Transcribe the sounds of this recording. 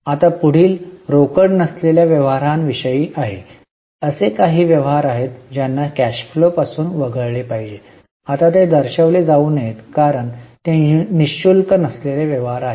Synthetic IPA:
at̪apuɽ̤iːlɾokəɽnəsleljaʋjəʋɦaɾanʋiɕəjiːʔaɦḛ | əsekaɦiːʋjəʋɦaɾaɦet̪d͡ʑjanːakæɕflopasuːnʋəɡəɭɭepaɦid͡ʑe | at̪at̪ed̪əɾɕəʋled͡zauːnjet̪kaɾəɳt̪eniɕulkənəsleleʋjəʋɦaɾaɦe

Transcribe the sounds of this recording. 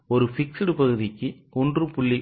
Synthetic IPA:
ɔɾɯfɪksɪɽɯpɐɣɯðɪkːɯ | ɔndrɯpʊɭːi

